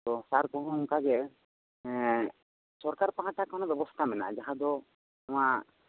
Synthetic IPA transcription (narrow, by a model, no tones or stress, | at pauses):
t̪ɔsaɾkɔɦɔɔŋkaɡɛ | sɔɾkaɾpaɦaʈakanɔbɛbɔst̪ʰamɛna̰ʔd͡ʒaɦad̪ɔ | amaʔ